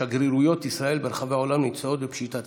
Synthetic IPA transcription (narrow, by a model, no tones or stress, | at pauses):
aɡɾiɾujo̞t̪isʁae̞lbeɾχaveo̞lamnit͡saot̪bepʃit̪at